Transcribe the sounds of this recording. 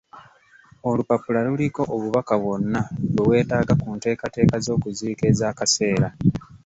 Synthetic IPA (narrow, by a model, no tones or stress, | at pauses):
o̞lupapulaluliko̞ʔoβuβakaβwo̞nːaβewe̞ːtaːɡakunte̞ːkate̞ːkazo̞ːkuziːke̞zaːkase̞ːɾa